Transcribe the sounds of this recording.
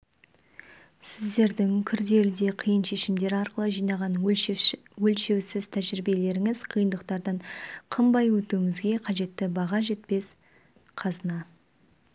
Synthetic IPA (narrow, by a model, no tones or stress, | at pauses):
sɪzd̪e̞ɾd̪ɪŋkʲʰʏɾd̪e̞ɾd̪e̞qʰəjənʃe̞ʃɪmd̪e̞ɾɑɾqəlˠəʒijnɑʁɑn | wɵlʃe̞wsɪzt̪ʰæʒɾɪbe̞le̞ɾɪŋɪzqʰəjənd̪əq̚t̪ɑɾd̪ɑɴqʰəmbɑjwɵt̪uwɪŋɪzɡʲe̞qʰɑʒe̞t̪ːɪbɑʁɑʒe̞t̪̚pe̞s | qʰɑzənɑ